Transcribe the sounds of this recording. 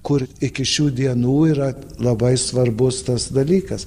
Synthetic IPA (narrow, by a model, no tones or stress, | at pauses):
kʊɾɪkʲɪʃʲuːd̪ʲiɛnuːiːɾɐlˠɐbɐɪsʋɐrbʊst̪ɐsd̪ɐlʲiːkɐs